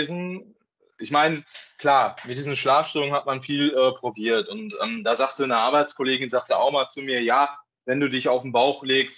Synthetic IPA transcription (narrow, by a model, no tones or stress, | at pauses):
zn̩ | ʔɪçmaɪnəkl̥aːmɪt̚d̥iːzn̩ʃlaːfʃtʏlʊŋənhatmanfiːlɛːpʁ̥obiːɐtʊntʔɛːmdaːzaːktənəʔaːɐbaɪt͡skʰɔleːɡɪnzaːktəa̰ʊxmaːlt͡sumiːɐjaː | vɛnduːdɪçaʊfm̩baʊxleːkst